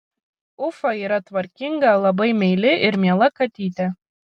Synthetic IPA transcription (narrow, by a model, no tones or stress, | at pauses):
ʊfɐiːɾɐt̪ʋɐɾʲkʲiŋɡɐlˠɐbɐɪmʲɛɪlʲɪʔɪɾmʲiɛlˠɐkɐt̪ʲiːt̪ʲɛ